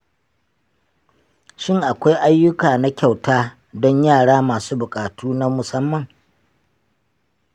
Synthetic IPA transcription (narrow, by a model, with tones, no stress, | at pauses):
ʃɪ˦ŋʔa˨kʷa˦jʔa˦jːʊ˦kaː˨na˦kʲa˨wtaː˦ | dɔ˦ɲjaː˦˨ɽaː˦maː˨suː˦bʊ˨kʼaː˨tuː˦na˦mʊ˨sɐ˦mːɐ˨ŋ